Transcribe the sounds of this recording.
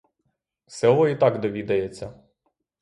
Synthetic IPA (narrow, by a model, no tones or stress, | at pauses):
sɛlˠɔit̪ɑɡd̪ɔʋʲid̪ɐjet͡sʲːɐ